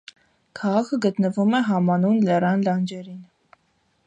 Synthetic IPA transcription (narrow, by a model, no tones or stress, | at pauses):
kʰɑʁɑkʰəɡət̪nəvumɛɦɑmɑnunlɛrɑnlɑnd͡ʒɛɾin